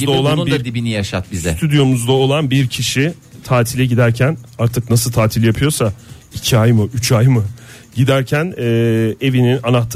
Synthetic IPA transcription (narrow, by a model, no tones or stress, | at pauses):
d̪aolˠanid̪ad̪ibinijaʃat̪̚bizɛt̪ʰyd̪jo̞muzd̪ao̞lˠanbiɾcʰiʃi | t̪ʰaːt̪ʰilʲɛɟid̪æɾcʰænaɾt̪ʰɯknasɯlˠt̪ʰaːt̪ʰilʲjapʰɯjo̞sa | icʰiajmɯʔyt͡ʃʰajmɯ | ɟid̪æɾcʰænɛːe̞vininanaht̪ʰ